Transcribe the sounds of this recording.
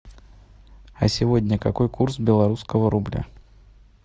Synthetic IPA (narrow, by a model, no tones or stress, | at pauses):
ɐ̰sʲɪvo̞dʲnʲəkɐko̞jkursbʲɪlˠɐɾuskəvəɾʊblʲa̰